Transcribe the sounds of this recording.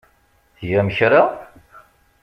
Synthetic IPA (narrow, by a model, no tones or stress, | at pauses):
jæməçɾa